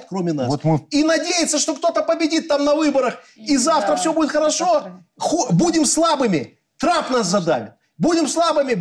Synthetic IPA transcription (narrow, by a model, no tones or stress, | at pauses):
t̪ʲkɾo̞mʲɪna̰st̪minɐdʲejɪt̪sːəʂt̪o̞kt̪o̞t̪əpəbʲɪdʲit̪ːamnɐvɨbəɾəx | izaft̪ɾəfsʲɵbudʲɪt̪xəɾɐʂo̞ | xobudʲɪmslˠabɨmʲɪ | t̪ɾapnaszɐd̪a̰vʲɪ̰t̪ | budʲɪmslˠabɨmʲɪ